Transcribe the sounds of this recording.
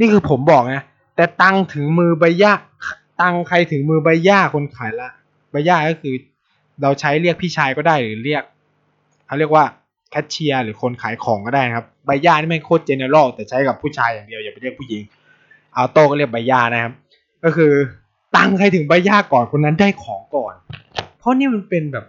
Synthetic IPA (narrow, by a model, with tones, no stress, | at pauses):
niː˥˩kʰɯː˧pʰo˩˦mbɔː˨˩k̚na˦˥ | t̪ɛː˨˩t̪a˧ŋt̪ʰɯ˩˦ŋmɯː˧ba˧jjaː˧˥˩ | t̪a˧ŋkʰa˧jt̪ʰɯ˨˩˦ŋmɯː˧ba˧jjaː˥˩kʰo˧nkʰaː˨˩˦jla˧˥ | ba˧jaː˥˩kɔː˥˩kʰɯː˧ | ɾa˧wt͡ɕʰa˦˥jli˥˩ək̚pʰiː˥˩t͡ɕʰaː˧jkɔː˥˩daː˥˩jlɯː˨˩˦li˥˩ək̚ʰː | a˧˩˨li˥˩əkwaː˧˥˩ | kʰɛ˦˥t̪̚t͡ɕʰi˧ɐlɯː˩˦kʰo˧nkʰaː˩˦jkʰɔː˩˦ŋkɔː˧˩daː˥˩jna˦˥kʰa˦˥p̚ba˧jːaː˥˩naː˥˩mɛ˧˥˨kʰoː˥˩t̪̚t͡ɕa˧naː˧wlɔː˥˩k̚t̪ɛː˨˩t͡ɕʰa˦˥jka˨˩pʰuː˥˩t͡ɕʰaː˧jːaː˨˩ŋdi˧əwjaː˨˩pnli˥˩əkpʰuː˥˩ji˨˩˦ŋ | ʔa˧˩t̪oː˥˩kɔː˥˩li˥˩ək̚ba˧jaː˧˥˩na˦˥˩kʰa˧˥p̚ | kɔː˥˩kʰɯː˧ | t̪a˧ŋkʰa˧jt̪ʰɯ˨˩˦ŋbaː˧jaː˥˩kɔː˨˩nkʰo˧nːa˦˥ndaː˥˩jkʰɔː˩˦ŋkɔː˨˩npʰɔ˦˥˨niː˥˨ma˧npe˧nbɛː˨˩p̚